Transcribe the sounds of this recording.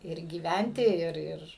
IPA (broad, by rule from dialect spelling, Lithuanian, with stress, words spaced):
ɪr ɡʲiːˈʋʲɛnʲtʲɪ ˈɪr ˈɪr